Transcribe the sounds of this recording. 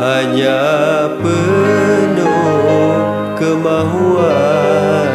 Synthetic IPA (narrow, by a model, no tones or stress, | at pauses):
haɲapə | nəko | kəmaɦua